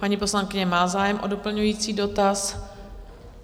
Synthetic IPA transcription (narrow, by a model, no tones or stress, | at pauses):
paɲiposlaŋkɪɲɛmaːzaːjɛmʔodopl̩ɲujiːt͡siːdot̪as